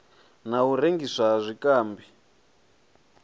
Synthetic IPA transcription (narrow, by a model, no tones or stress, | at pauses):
nauɾeŋɡisʷaʐʷikaːmbi